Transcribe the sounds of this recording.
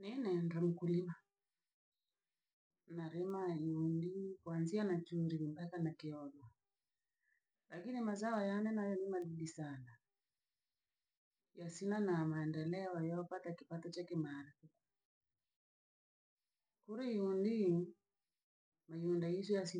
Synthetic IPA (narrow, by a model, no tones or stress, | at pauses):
ninɛndam̩kulima | naɾɛmaiundikwanzianat͡ʃuɾimbakanakiɔɡɔ | lakinimazaɔjanɛnajɔnimaɗiɗisana | jasinanamaɛndɛlɛɔɔjɔɔpatakipatɔt͡ʃakimaːɾafuku | kuɾiiundi | maundaisɔjasi